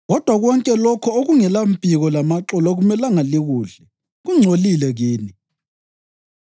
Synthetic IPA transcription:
ɣɔd̥ʱwaɣwɔŋkʼɛlɔkʰɔoɣuŋɛlampʼiɣɔlamaǁɔlaɣumɛlaŋaliɣuːɮɛ | ɣuŋ͡ǀʱolilɛɣiːni

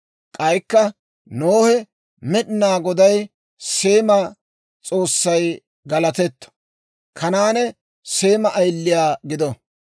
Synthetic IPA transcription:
kʼɐjkːɐ | noːhɛ | mɛɗɪnaːɡɔd̪ɐj | se̞ːmɐ | t͡sʼo̞ːsːɐj | ɡɐlɐt̪ɛt̪ː | kʰɐnaːnɛ | se̞ːmɐʔɐjlːɪjaːɡɪd̪ɔ

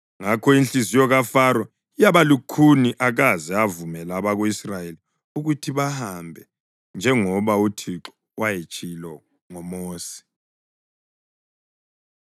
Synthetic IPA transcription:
ŋakʰɔinɬizijɔɣafaɾɔ | ijaβalukʰuniʔaɣazɛavumɛlaβaɣuisrajeli | uɣutʰiβahambʱɛ | nd͡ʒʱɛŋɔβautʰiǁɔ̥ | wajet͡ʃʼʰilɔ | ŋɔmoːsi̥

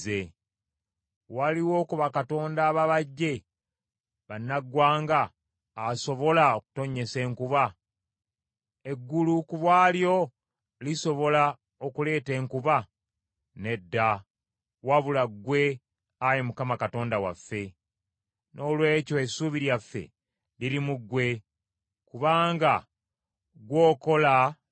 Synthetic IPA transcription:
e | waliwo̞ːkuβakato̞ːndaːβaβaɟːe̞ | βanːaɡwaːŋɡaː | so̞βo̞laoku̥to̞ɲe̞se̞ːŋkuβa | e̞ɡːulukuβwaːljo̞ | liso̞βo̞la | okule̞ːte̞ːŋkuβa | ne̞dːa | waβulaɡwe̞ | ajemukamakato̞ːndawa̰fːe̞ | nʔo̞lwe̞ːco̞esuβiɾjafːe̞̰ | lilimuɡːwe̞ | kuβaːŋɡa | ɡwo̞ːko̞la

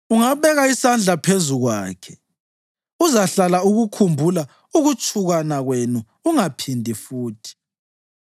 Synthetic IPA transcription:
uŋaβɛɣaisand͡ɮʱapʰezuɣwaːkʰɛ | uzaɬalauɣukʰumbʱula | uɣut͡ʃʼʰuɣanaɣwenuːŋapʰindʱifuːtʰi̥

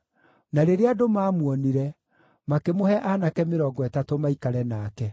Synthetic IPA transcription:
naɾeɾeadomaːmwɔniɾɛ | makemohɛʔanakɛmeɾɔːɡɔɛtatomaikaɾɛnakɛ

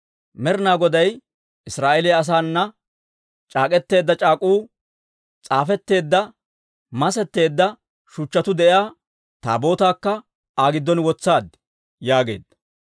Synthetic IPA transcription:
mɛɾɪnaːɡɔd̪ɐj | ɪsɾaːʔelɛɐs̬aːnːɐ | t͡ʃʼaːkʼɛt̪ːe̞ːd̪ːɐt͡ʃʼaːkʼuː | t͡sʼaːfɛt̪ːe̞ːd̪ːɐ | mɐsɛt̪ːe̞ːd̪ːɐ | ʃʊt͡ʃːɐt̪ʊd̪ɛjaː | t̪a̰ːbo̞ːt̪aːkːɐ | aːɡɪd̪ːɔnwɔt͡sːaːd̪ | jaːɡe̞̰ːd̪ːɐ

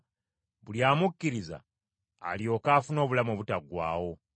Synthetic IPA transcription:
βuljaːmukːiɾiza̰ː | ljo̞ːkaːfuno̞ːβulamoβutaɡwa̰ːwo̞

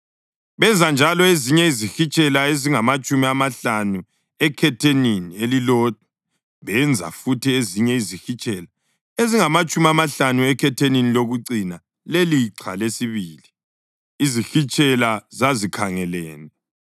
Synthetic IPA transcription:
βɛnd͡zʱand͡ʒʱalɔeziɲɛizixit͡ʃʼɛlaeziŋamat͡ʃʼumiamaɬanu | ɛkʰɛtʰeninielilɔːt̚ʰʼa | βɛnd͡zʱa̰futieziɲɛizixit͡ʃʼɛla | eziŋamat͡ʃʼumiamaɬanuɛkʰɛtʰeniniloɣuǀina | leliǀʰa̰lesiβiːli | izixit͡ʃʼɛlazazikʰaŋɛlɛːnɛ

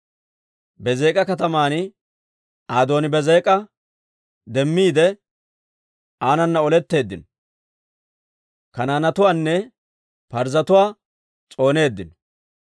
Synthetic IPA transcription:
bɛzeːkʼɐkɐt̪ɐmaːnɪ | aːd̪o̞ːnɪbɛzeːkʼɐ | d̪ɛmːiːd̪ɛ | ʔaːnɐnːɐɔlɛt̪ːe̞ːd̪ːɪ̰n | kɐnaːnɐt̪ʊwaːnːɛ | pɐɾzɐt̪ʊwaː | t͡sʼo̞ːne̞ːd̪ːɪn

